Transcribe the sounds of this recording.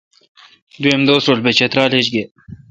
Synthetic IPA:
d̪uemd̪oːsɾolbet͡ɕet̪ɾɑːlet͡ɕɡe

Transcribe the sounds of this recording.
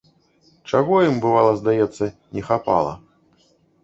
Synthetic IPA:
t͡ʂaɣɔjimbɨvalˠɐzd̪ajɛt̪sːɐnʲɛxapa̰lˠɐ̰

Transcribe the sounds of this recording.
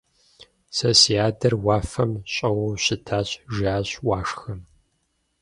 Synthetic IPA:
sosiaːdʰɐrwɑːfɐmɕʼɐwɐwɕɪtʰaːɕʒaːɕwaːʂxɐm

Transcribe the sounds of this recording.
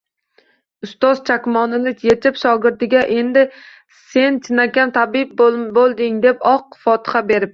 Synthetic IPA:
ʊst̪ɒz̥t͡ʃʰakʲmɒnɪnɪjet͡ʃʰɪpʃɒɡɪɾt̪ɪɡʲaʔe̞nd̪ɪ | se̞nt͡ʃʰɪnakʲant̪ʰabɪp̚bolˠd̪ɪŋd̪e̞pɒqfɒt̪ɪ̥χabe̞ɾɪp̚

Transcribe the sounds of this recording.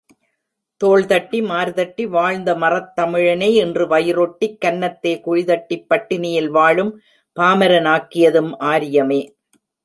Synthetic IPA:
t̪oːɭt̪ɐʈːimaːɾðɐʈːiʋaːɻnd̪ɐmɐrɐt̪ːɐmɪɻɐnɐɪɛndrɯʋɐjɪɾɔʈːikːɐnːɐt̪ːeːkʊɻɪðɐʈːipːɐʈːɪnɪjɪlʋaːɭɯm | paːmɐɾɐnaːkːɪjɐðɯmʔaːɾɪjɐmeː

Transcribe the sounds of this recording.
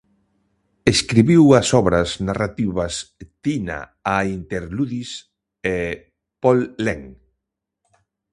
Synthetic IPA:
eskɾiβiwɐsɔβɾɐsnarat̪iβɐst̪ina̰ | aint̪eɾluðis | e | pɔlːeŋ

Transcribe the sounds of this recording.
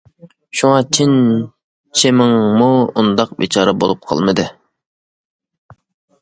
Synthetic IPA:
ʃuŋɑt͡ʃʰin | t͡ʃʰɪmɪŋmuund̪ɑq̚bit͡ʃʰɑːɾɛbo̰lˠup̚qʰɑ̰lˠmɨd̪ɨ

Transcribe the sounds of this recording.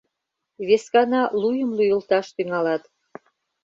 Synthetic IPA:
βeskɑnɑlujəmlujə̆lt̪ɑʃt̪yŋɑlɑt̪

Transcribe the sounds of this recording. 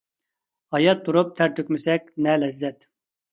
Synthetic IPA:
hɑjɑt̪̚ːuɾup̚t̪ʰæɾt̪ʰøkʲmɪsɛkʲnɛːlɛzːɛt̪

